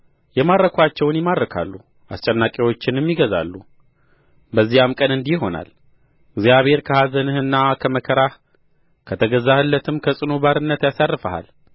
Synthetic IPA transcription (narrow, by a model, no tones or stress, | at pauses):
jɛmaɾːəkʰʷat͡ʃːɛwnjɛmad̪ɾəkʰa̰lːu | ʔast͡ʃʼɛnːakʼiwo̞t͡ʃːɪnjɛmːiɡəza̰lːu | bəzːijamkʼənɨnd̪ijɦo̞na̰l | ɨɡzijaβhe̞ɾkʰəhazənɨhɨnːakʰəməkʰəɾa | kʰət̪ʰəɡəzahɨlːət̪ʰɨmkʰəsʼɨnobaɾɨnːət̪jasarːɨfaha̰l